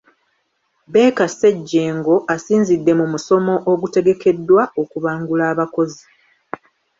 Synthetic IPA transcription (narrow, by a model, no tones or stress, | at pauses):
be̞ːkase̞ɟːe̞ːŋɡo̞ʔasiːnzidːe̞mumuso̞mo̞ʔoɡute̞ɡe̞ke̞dːwaokuβaːŋɡulaːβako̞zi